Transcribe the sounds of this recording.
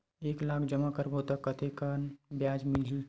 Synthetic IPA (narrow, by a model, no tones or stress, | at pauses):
eːklaːkʰd͡ʒəmakəɾbot̪əkːət̪ʰekanbjaːd͡ʒmɪlɦi